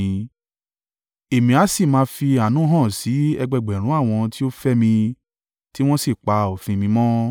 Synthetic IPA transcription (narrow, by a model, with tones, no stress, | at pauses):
e˨mĩ˨a˨˦si˦˨mãː˧fi˧a˨nũ˦ɦɔ̃˦˨si˨˦ɛ˧ɡ͡bɛ˧˨ɡ͡bɛ˨ɾ̃ũ˨˦a˦˨w̃ɔ̃˧ti˦o˦fɛ˦mĩ˧ | ti˦w̃ɔ̃˦si˦˨k͡pa˧o˨fĩ˧mĩ˧mɔ̃˦